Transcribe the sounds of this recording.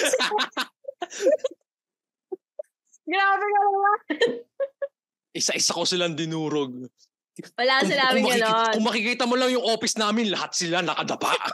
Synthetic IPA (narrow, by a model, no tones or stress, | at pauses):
ɡɾaːbɛɡɐnonla | ʔɪsaʔɪsakosɪland̪ɪnuːɾoɡ̚ | mɐlaːsɐlaːmɪmɐɡɐnokʊŋmɐkɪkiːt̪ɐmolɐŋjʊŋʔo̞ːpɪsnaːmɪnlɐhat̪̚sɪlanɐkɐd̪ɐpa̰ʔ